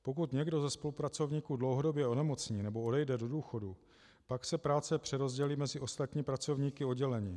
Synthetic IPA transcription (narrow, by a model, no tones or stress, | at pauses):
po̞kut̪ɲɛɡdo̞zɛspo̞lupɾat͡so̞vɲiːkudlowɦo̞do̞bjɛo̞nɛmo̞t͡sɲiːnɛbo̞odɛjdɛdo̞duːxo̞du | paksɛpɾaːt͡sɛpr̝̥ɛɾo̞zɟɛliːmɛzɪʔo̞st̪at̪ɲiːpɾat͡so̞vɲiːkɪo̞dɟɛlɛɲiː